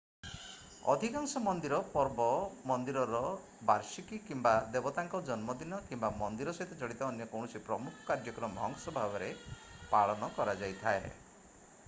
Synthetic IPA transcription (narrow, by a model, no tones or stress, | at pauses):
ɔ̰d̪ʱikaŋsɔmɔnd̪iɾɔpɔɾbɔmɔnd̪iɾɔɾɔ | baɾsikikimbad̪ebɔt̪aŋkɔd͡ʒɔnmɔd̪inɔkimbamɔnd̪iɾɔsɔɦit̪et͡ʃɔɽit̪ɔːnjɔkɔwɳɔsipɾɔmukʰɔ̥kaɾd͡ʒɔkɔɾɔmɔɔŋsɔbʱabɔɾepaɭɔnɔkɔɾad͡ʒajt̪ʰae